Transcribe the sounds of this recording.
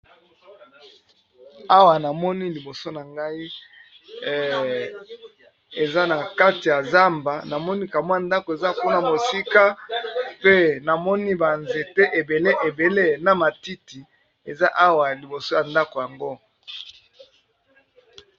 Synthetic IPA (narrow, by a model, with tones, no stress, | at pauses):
a˦wa˨na˨mɔ˦ni˦li˨bo˨so˦na˨ŋɡa˦i˦ | e˨za˦na˨ka˦ti˨ja˨za˦mba˨na˨mɔ˦ni˦ka˨mwnda˦ko˨e˨za˦ku˦na˨mo˨si˦ka˦pe˦na˨mɔ˦ni˦ba˨nze˨te˦ʔe˨be˨le˦ʔe˨be˨le˦na˨ma˨ti˦ti˨ | e˨za˦ʔa˦wa˨li˨bo˨so˦ja˨nda˦ko˨ja˨ŋɡo˦